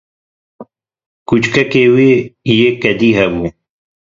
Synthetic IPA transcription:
kut͡ʃkɐkewijekɐd̪iɦɐbu

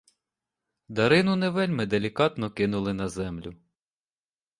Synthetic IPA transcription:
d̪ɐɾɪnʊneʋɛlʲmɪd̪elʲikɑt̪nɔkɪnʊlˠɪnɐzɛmlʲʊ

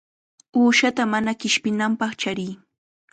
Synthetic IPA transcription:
uːʃat̪amanakɪʃpɪnampɑχt͡ʃaɾɪː

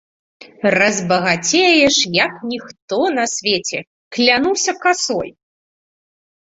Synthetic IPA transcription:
rɐzbɐɣat͡sʲejɛʂjɐknʲixt̪ɔnɐsʲvʲet͡sʲɛ | klʲanuwsʲɐkasɔ̰j

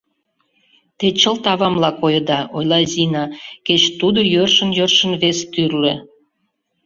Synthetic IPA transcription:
t̪et͡ɕəlt̪ɑβɑmlɑkojə̆d̪ɑʔojlɑzʲinɑket͡ɕt̪ud̪ojørʃənjørʃə̆nβest̪yrle

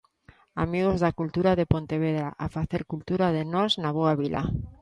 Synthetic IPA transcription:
amiɣ̞ozðakult̪uɾaðepont̪eβ̞eðɾaʔafaθeɾkult̪uɾað̞enoznaβ̞oaβilʔa̰

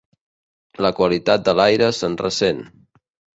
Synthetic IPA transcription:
ləkwəlit̪at̪̚d̪əlajɾəsənrəsen

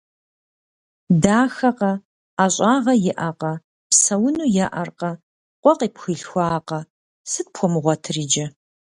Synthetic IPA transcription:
daːxɐqɐ | aːɕʼaːʁɐjɪʔɐqɐ | psɐwʊnuːjaʔɐrqɐ | qʷʼɔqiːpxɨɬxʷɑːqɐ | sɨt̚pʰxʷɔmɨʁʷɔtʰɨriːd͡ʒɐ

